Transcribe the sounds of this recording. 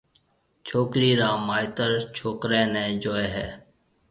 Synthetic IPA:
t͡ʃʰoːkɾiːɾaːmaːɪt̪əɾt͡ʃʰoːkɾɛ̃ːnɛ̃ːd͡ʒoːeːɦɛː

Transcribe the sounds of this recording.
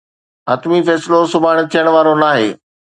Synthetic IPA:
ɐːt̪mifɛːsɪlosʊbʱaːɽ̃̆t̪ʰijəɽ̃ʋaːɾonaːɦeː

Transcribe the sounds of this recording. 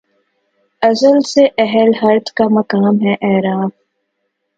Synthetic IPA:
ɐzəlseʔɛɦəlɦɐɾt̪kamɐkaːmɦɛʔɛːɾaːf

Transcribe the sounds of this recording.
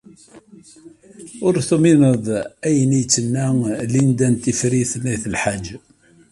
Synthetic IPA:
ʊɾθuminəðˤæjənijt͡sːənːælind̪ænt̪ifɾiθnːæθəlħad͡ʒː

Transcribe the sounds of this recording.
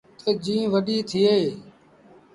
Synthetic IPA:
t̪ʰeːd͡ʒĩːʋəɗiːt̪ʰɪːeː

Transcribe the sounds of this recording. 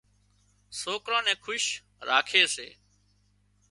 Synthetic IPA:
soːkɾãːnɛ̃ːkʰʊʃ | ɾa̰ːkʰeːsḛː

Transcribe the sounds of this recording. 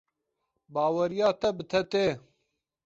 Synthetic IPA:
baːwɐɾijaːt̪ɐbɨt̪ʰɐt̪eː

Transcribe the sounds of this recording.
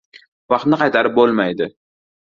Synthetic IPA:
vɑqt̪nɪqʰɑjt̪ʰaɾɪp̚bolˠmajd̪ɪ

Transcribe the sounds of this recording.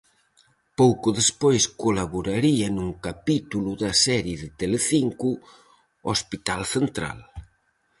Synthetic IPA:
powkʊðespojskolaβoɾaɾiɐnuŋkapit̪uluðɐsɛɾjeðɪt̪eleθiŋku | ospit̪alθent̪ɾa̰l

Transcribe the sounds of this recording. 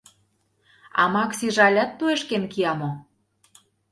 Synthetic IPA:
ɑ̰mɑksiʒɑlʲæt̪ːueʃkenkiɑmo

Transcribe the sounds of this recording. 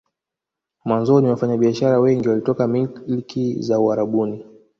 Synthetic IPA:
mwanzɔniwafaɲaɓiaʃaɾawɛŋɡiwalitɔkamilikizauaɾaɓuni

